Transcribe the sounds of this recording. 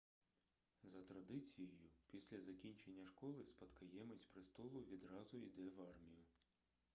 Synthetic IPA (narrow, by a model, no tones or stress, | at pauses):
zɐt̪ɾɐd̪ɪt͡sʲijɔjʊpʲisʲlʲɐzɐkʲinʲt͡ʃe̞nʲːɐʃkɔlˠɪspɐt̪kɐjɛmet͡sʲpɾɪst̪ɔlˠʊʋʲid̪ɾɑzʊid̪ɛʋɑrmʲijʊ